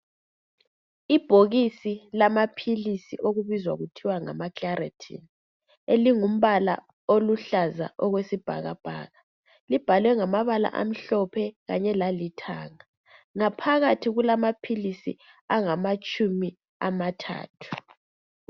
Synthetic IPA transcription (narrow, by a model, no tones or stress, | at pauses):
ib̥ʱoɣisilamapʰilisiʔoɣuβizwa̰ɣutʰiwaŋa̰makara̰tʰḭn | eliŋum̩βala̰ | oluɬaza̰ʔɔɣwesib̥ʱa̰ɣa̰b̥ʱa̰ːɣa | lib̥ʱalwɛŋamaβala̰ʔa̰m̩ɬɔpʰɛɣaɲɛlalitʰa̰ːŋa | ŋapʰaɣatʰiɣulamapʰilisḭ | aŋamat͡ʃʼumi | amatʰa̰ːtʰu̥